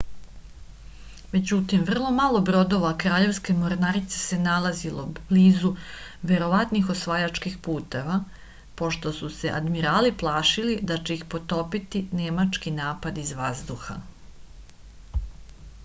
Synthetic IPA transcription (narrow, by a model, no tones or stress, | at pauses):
me̞d͡ʑut̪imʋr̩lˠo̞malˠo̞bɾo̞d̪o̞ʋakɾaːʎe̞ʋske̞moɾnaɾit̪se̥se̞nalazilo̞bliːzuʋe̞ɾo̞ʋat̪nixo̞sʋajat͡ʃkixpuːt̪e̞ʋa | po̞ʃt̪o̞suse̞ʔa̰d̪miɾaːliplˠaːʃilid̪at͡ɕe̞ixpo̞t̪o̞pit̪inemat͡ʃkinaːpad̪izʋazd̪uxa̰